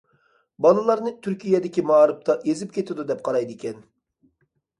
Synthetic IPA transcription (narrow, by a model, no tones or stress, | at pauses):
bɑlˠɨlˠɑɾnɨt̪ʰyɾkʲʰijɛd̪ɪkʲimɑːɾɨp̚t̪ʰɑʔezɪp̚kʲʰet̪ʰɪd̪ud̪ɛp̚qʰɑɾɑjd̪ɪkʲʰɛn